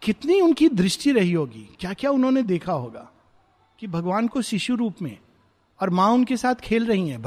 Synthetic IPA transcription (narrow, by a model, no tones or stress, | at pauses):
kɪt̪niʊnkid̪ɾɪʃʈiɾɐɦiɦoːɡḭːkjaːkjaːʊnɦõned̪eːkʰaɦoːɡa̰ː | kibʱɐɡʋaːnkoʃɪʃuɾuːpmḛ̃ | ɔːɾmãʊnkesaːt̪ʰkʰeːlɾɐɦiɦɛ̃ːbʱ